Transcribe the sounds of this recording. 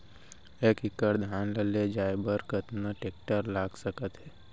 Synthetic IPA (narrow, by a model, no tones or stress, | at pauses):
eːkɪkːəɾd̪ʱjaːnləled͡ʒaːebəɾkət̪nəʈeːk̚ʈəɾlaːɡsəkət̪ɦɛː